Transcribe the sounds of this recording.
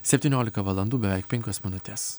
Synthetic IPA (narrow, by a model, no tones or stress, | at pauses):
sʲɛpʲt̪ʲiːnʲoːlʲɪkɐʋɐlˠɐnd̪uːbʲɛʋʲɛɪk̚pʲɛŋʲkʲoːsmʲɪnʊt̪ʲes